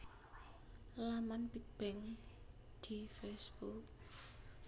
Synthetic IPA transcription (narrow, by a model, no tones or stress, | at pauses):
lamanpik̚b̥ɛŋ | d̪̥ifɛsb̥uk̚